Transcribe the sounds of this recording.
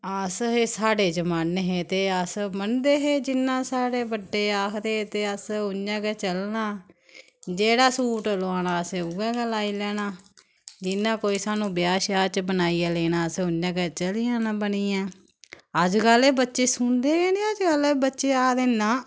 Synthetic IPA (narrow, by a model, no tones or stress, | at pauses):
əsɦeːsaːɽeːd͡ʒəmaneɦeːt̪eːəsmənd̪eːɦeːd͡ʒɪnːãːsaːɽeːbəɖːeːaːkʰd̪eːt̪eːəsʊɲd͡ʒãːkɛːt͡ʃəlnaː | d͡ʒeːɽaːsuːʈlaːnãːəseːuːɛ̃ːɡəlaːiːlɛːñaː | d͡ʒɪnːãːkoːiːsaːnũːbɪjaːʃaːt͡ʃbənaːiaːleːnãːəseʊɲd͡ʒãːkɛːt͡ʃəlijãːnãːbəniːãː | əd͡ʒɡəleːbətːʃeːsʊnd̪eːɡeːnẽːəd͡ʒɡəlebətːʃeːaːd̪eːnːãː